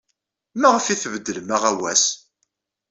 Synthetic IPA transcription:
mæʁəfiθvəd̪ːələmaʁæwæs

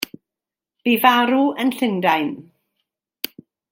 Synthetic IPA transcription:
b̥ivaɾuənɬɪndajn

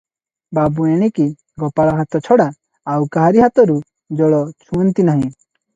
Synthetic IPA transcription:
babueɽ̃iki | ɡɔpaɭɔɦat̪ɔt͡ʃʰɔɽaː | wkaɦaɾiɦat̪ɔɾu | d͡ʒɔɭɔt͡ʃʰunt̪inaɦĩ

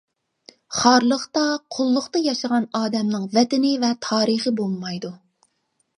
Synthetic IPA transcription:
χɑɾlˠəχt̪ɑqʰʊlˠːʊqt̪ɑjɑʃəʁɑnɑːd̪ɛmnɨŋvɛt̪ɪnɪvɛt̪ʰɑːɾəχəbolˠmɑjd̪u

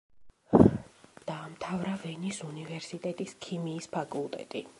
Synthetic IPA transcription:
d̪̥aːmt̪ʰavɾavɛnisunivɛɾsit̪ʼɛt̪ʼiskʰimiːspʰakʼulˠt̪ʼɛ̰t̪ʼi

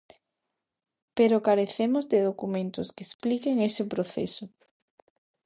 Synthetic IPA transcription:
peɾokaɾeθemozðɪðokumẽnt̪ʊskesplikeŋesɪpɾoθḛsʊ

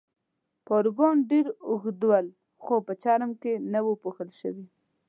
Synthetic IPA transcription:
poɾɡonɖeɾʊxd̪wal | xopət͡ʃɑɾəmkenawəpuxəlʃə̰wi

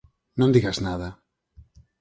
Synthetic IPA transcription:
nõnd̪iɣaznaða

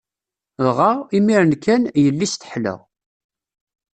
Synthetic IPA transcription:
ðʁaimiɾənkʰænjəlːist̪ə̥ħlə̰ʁ

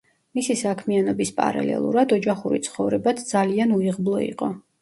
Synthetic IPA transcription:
misisakʰmianɔbispʼa̰ɾa̰lɛ̰lˠṵɾad̪ɔd͡ʒaχuɾḭt̪sʰχɔvɾɛbat̪ʰd̪zalianuiʁblˠɔḭqʼɔ

